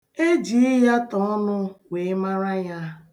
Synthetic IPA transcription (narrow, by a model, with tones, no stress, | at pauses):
e˦d͡ʒi˨˦i˦ja˦tɔ˨˦ɔ˦nʊ˦we˨ɪ˦ma˦ɾa˦ja˦